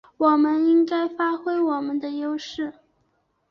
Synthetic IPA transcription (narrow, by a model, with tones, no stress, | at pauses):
wɔ˨˩mə˦ni˥ŋka˥ɪfa˥xwe˥ɪwɔ˨˩mə˦nd̪ə˧jo˥ʊʂɻ̩˥˩